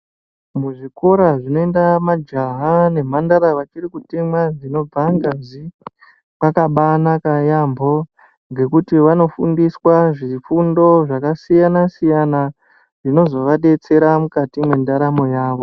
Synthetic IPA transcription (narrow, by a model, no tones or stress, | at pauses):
muʐiko̞ɾaʐino̞endamad͡ʒaɦane̞m̤andaɾaʋat͡ʃirikutimwaʐino̞b͡vaŋɡazi | pakaɓanakajambo̞ | ŋɡe̞kutiʋano̞fundiswaʐifundo̞ʐakasijanasijana | ʐ̥ino̞zo̞ʋaɗe̞t͡se̞ɾamukatimwendaɾamo̞jaːʋo̞